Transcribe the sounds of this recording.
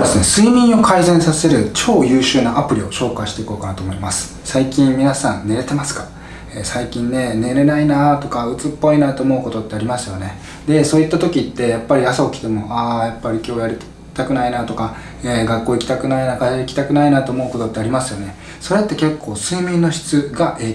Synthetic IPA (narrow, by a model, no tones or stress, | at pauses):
d̪e̞sɨne̞sɨimʲĩɰ̃o̞kʰaizẽ̞ɰ̃sase̞ɾɯ̟t͡ɕo̞ːjɯ̟ːɕɨːnaapɯ̟ɾʲio̞ɕo̞ːkaiɕi̥t̪e̞iko̞ːkanat̪o̞ːmo̞imasɨ̥ | saikʲĩmmʲinasãnne̞ɾe̞t̪e̞masɨ̥kḁ | esaikʲĩnːe̞ne̞ɾe̞nainat̪o̞kaɯ̟t͡sɨpːo̞inat̪o̞ːmo̞ɯ̟ko̞t̪o̞t̪ːe̞aɾʲimasɨjo̞ne̞ | d̪e̞so̞ːit̪ːat̪o̞kʲit̪ːe̞japːaɾʲiasaokʲi̥t̪e̞mo̞ʔajapːaɾʲikʲo̞ːjaɾʲit̪ | t̪akɯ̟nainat̪o̞ka | eɡakːo̞ːikʲi̥t̪akɯ̟nainakaɕaikʲi̥t̪akɯ̟nainat̪o̞ːmo̞ɯ̟ko̞t̪o̞t̪ːe̞aɾʲimasɨjo̞ne̞ | so̞ɾe̞t̪ːe̞ke̞kːo̞ːsɨːmʲĩnːo̞ɕi̥t͡sɨɡaʔeː